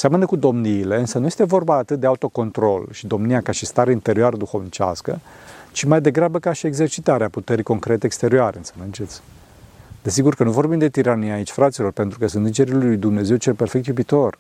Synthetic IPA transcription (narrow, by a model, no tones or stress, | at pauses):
seamənəkud̪o̞mniːle̞ɨnsənuje̞st̪evo̞rbaːt̪ɨt̪̚d̪e̞aut̪o̞ko̞nt̪ɾo̞lʃid̪o̞mnijakaʃist̪aɾeint̪e̞ɾioaɾəd̪uxo̞vnit͡ʃa̰skə̰t͡ʃimajd̪e̞ɡɾabəkaʃieɡze̞rt͡ʃit̪aɾeaput̪eɾiko̞ŋkɾe̞t̪eːkst̪e̞ɾioaɾeɨnsənɨnt͡ʃe̞t̪sʲ | d̪̥e̞s̬iɡurkənuvo̞rbimd̪e̞t̪iɾanijaːit͡ʃʲfɾat̪silo̞rpe̞nt̪ɾukəsunt̪ɨnd͡ʒe̞ɾilujd̪umne̞ze̞wt͡ʃe̞lpe̞rfekt̪jubit̪o̞r